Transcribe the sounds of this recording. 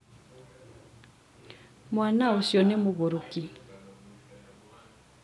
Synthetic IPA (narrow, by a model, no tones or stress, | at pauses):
mwanaosjɔnemoɣoɾoki